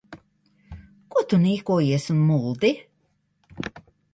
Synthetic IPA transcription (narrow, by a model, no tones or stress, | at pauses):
kut̪uniːkuɔjiɛsunmulˠd̪i